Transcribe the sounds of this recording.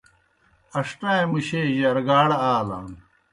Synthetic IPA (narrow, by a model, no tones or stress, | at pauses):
ɐʂʈaːẽmuɕeːʑɐɾɡaːɽɐaːla̰ːn